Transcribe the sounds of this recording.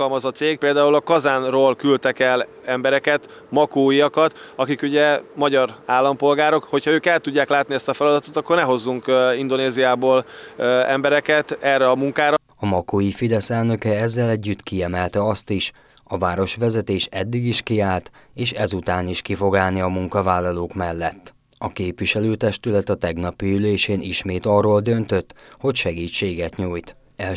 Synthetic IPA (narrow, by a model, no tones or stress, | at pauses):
ɒlmɒzɒt̪seːɡ̚peːld̪aːulɒkɒzaːnroːlkylt̪ɛkɛl | ɛmbɛɾɛkɛt̪ | mɒkoːiɒkɒt̪ɒkikuɟɛmɒɟɒraːlːɒmpo̞lɡaːɾo̞kho̞chɒøːkɛlt̪uɟːaːklaːt̪niɛst̪ɒfɛlɒd̪ɒt̪ot̪ɒkːornɛɦo̞zːuŋkind̪o̞neːzijaːboːlɛ̰mbɛɾɛkɛt̪ɛrːɛɒmuŋkaːɾɒ | ɒmɒkoifid̪ɛsɛlnø̞kɛɛzːɛlɛɟːyt̪kiɛmɛlt̪ɛɒst̪iʃ | ɒvaːɾo̞ʃʋɛzɛt̪eːʃɛd̪ːiɡiʃkiaːlt̪eːʃɛzut̪aːniʃkifo̞ɡaːlniɒmuŋkɒvaːlːɒloːkmɛlːɛt̪ː | ɒkeːpʋiʃɛløːt̪ɛʃt̪ylɛt̪ɒt̪ɛɡnɒpiyleːʃeːnʔiʃmeːt̪ɒrːoːld̪ø̞nt̪øt̪ːho̞cʃɛɡiːt͡ʃːeːɡɛt̪ɲuːjt̪ | ɛ